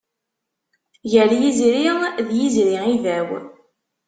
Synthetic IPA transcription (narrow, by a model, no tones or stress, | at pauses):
jəljizɾiʁðjizɾiivæw